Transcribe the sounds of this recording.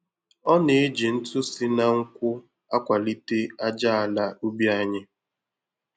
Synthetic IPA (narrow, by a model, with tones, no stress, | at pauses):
ɔ˦ne˨e˦d͡ʒi˨n̩˦tʊ˦sɪ˦na˨ŋ̩˦kʷʊ˦ | a˦kʷa˨li˦te˦a˦d͡ʒa˦a˨la˦u˦bi˦a˦ɲɪ˦